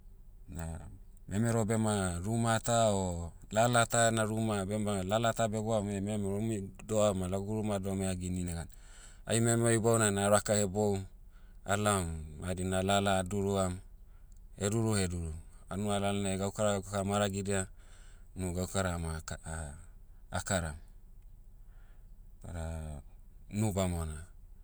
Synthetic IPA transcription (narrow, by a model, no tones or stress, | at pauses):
na | memeɾobemaɾumatao | lalataenaɾumabemalalatabeboamememeɾomidoamalaɡuɾumadomeaɡininaɡan | a̰jmemoibawnanaɾakahebow | a̰lamadinalaladuɾuam | heduɾuheduɾuanualalanaɡaukaɾaɡakakamaɾaɡidea | nuɡaukaɾama | kaɾam | pa̰ɾa | nubamona